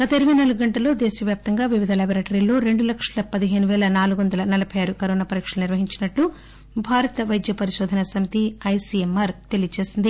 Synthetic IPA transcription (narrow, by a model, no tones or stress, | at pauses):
ɡ̥ɐt̪ɐiɾiʋɐnɐluɡɡɐɳʈɐlo̞ːd̪eːʃɐʋjaːp̚t̪ɐŋɡaːʋiʋid̪ʱɐlaːbɐɾɐːʈɐɾilːo̞ːɾe̞ɳɖulɐkʂɐlɐpɐd̪iɦeːnuʋɛːlɐnaːluɡʋɐnd̪ɐlɐnɐlɐbʱɐjaːɾukɐɾoːnaːpɐɾiːkʂɐlɐniɾʋɐɦiɲt͡ʃinɐʈlu | bʱaːɾɐt̪ɐʋɐjd̪jɐpɐɾiʃɔːd̪ʱɐnɐsɐmit̪iɐjsiemːɐːɾt̪e̞lijɐt͡ʃe̞ːsind̪i